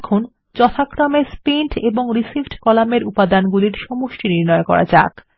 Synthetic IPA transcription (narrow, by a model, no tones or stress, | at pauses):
kʰon | t͡ɕɔt̪ʰakɾɔmeɾspiɳʈeboŋɾisifɖkɔlameɾupad̪anɡuliɾʃɔmoʃʈiniɾnɔekɔ̰ɾa̰d͡ʑa̰k